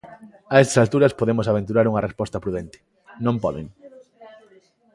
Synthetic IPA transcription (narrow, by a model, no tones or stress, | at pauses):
ɐɛst̪ɐ̥salt̪uɾɐspoðemʊsaβ̞ẽnt̪̬uɾaɾuŋɐrespɔst̪ɐpɾuðent̪ɪ̥ | nõmpɔðḛŋ